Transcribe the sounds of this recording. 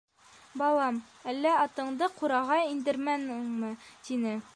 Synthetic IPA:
bɑlˠɑm | ælːæɑt̪ɤ̆ɴd̪ɤquɾɑʁɑind̪ɘ̆ɾmænŋmɤt̪inɘ

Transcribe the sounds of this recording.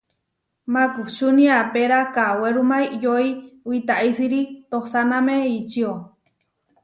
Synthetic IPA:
makut͡ʃuniapeɾakaweɾumaijoiwit̪aʔisiɾit̪ohsanameit͡ʃio

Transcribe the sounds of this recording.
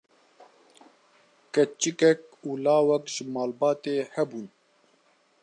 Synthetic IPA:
kɛt͡ʃɨkɛk̚uːlɑːwɛkʒɨmaːlbɑːt̪eːhɛbuːn

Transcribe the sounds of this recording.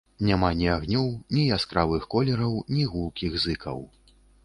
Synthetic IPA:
nʲamanʲiaɣnʲɔwnʲijaskɾavɨxkɔlʲɛɾɐwnʲiɣulˠkʲiɣzɨkʰɐ̰w

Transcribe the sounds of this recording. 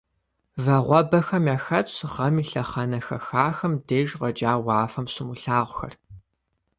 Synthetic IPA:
vɐʁʷɔbɐxɐmjaːxɐt͡ʃʰʁɐmiɬɐχɐnɐxɐxaːxɐmdeːʒʁɐd͡ʒʼaːwɑːfɐmsɪmuɬaːʁʷxɐ̰r

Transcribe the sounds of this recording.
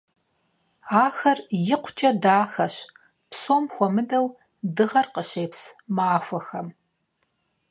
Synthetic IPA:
aːxɐrjɪqʷʰt͡ʃʼɐdaːxɐɕ | psoːmxʷɔmɨdɐw | dɨʁɐrqəʃeːpsmaːxʷɐxɐm

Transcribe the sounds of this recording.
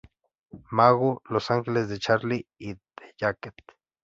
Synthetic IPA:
maɣolosaŋxelesd̪et͡ʃaɾliit̪e̥jaket̪̚

